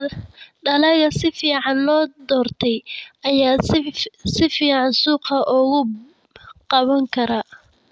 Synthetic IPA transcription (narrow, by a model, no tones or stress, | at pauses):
ɖɐlɐɣɐsɪfiːʕɑnlɔːd̪ɔːrt̪ʰɛjʔɐjaː | sɪfiːʕɑnsuːqɐʔɔːɣʊ | qɑβɐŋkʰɐɾa